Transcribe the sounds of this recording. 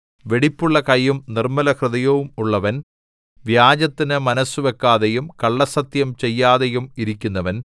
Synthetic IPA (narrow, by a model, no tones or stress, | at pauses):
ʋe̞ɽipːuɭːɐkɐjːumnirmɐlɐhrɨðɐjɐʋumuɭːɐʋɐn | ʋjaːd͡ʑɐt̪ːinɨmɐnɐsːuʋe̞kːaːðejumkɐɭːɐsɐt̪jɐmt͡ɕe̞jːaːðejumiɾikʲːunːɐʋɐn